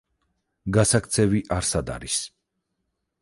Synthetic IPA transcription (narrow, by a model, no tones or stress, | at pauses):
ɡasak̚ʰt̪sʰɛviʔaɾsad̪a̰ɾis